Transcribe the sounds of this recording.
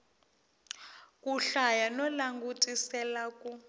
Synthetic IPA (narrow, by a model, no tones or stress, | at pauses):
kʼuɬajanɔlaŋɡutʼisɛlakʼu